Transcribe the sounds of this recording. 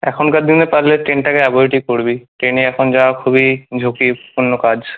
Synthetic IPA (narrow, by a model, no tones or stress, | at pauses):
ɛkʰonkad̪inepaɾleʈɾenʈakeaboiʈikoɾbiʈɾeneɛkʰond͡ʑaoakʰubid͡ʑʱokipuɾnːokad͡ʑ